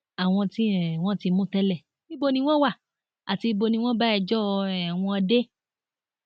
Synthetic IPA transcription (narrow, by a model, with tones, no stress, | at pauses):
a˨w̃ɔ̃˧ti˦˨w̃ɔ̃˦ti˧mũ˦tɛ˦lɛ˦˨ | i˦bo˧nĩ˧w̃ɔ̃˦wa˦˨ | a˨ti˧bo˧nĩ˧w̃ɔ̃˦ba˦ɛ˧˨d͡ʒɔ˦˧ɛ˨w̃ɔ̃˧ɔ˧de˦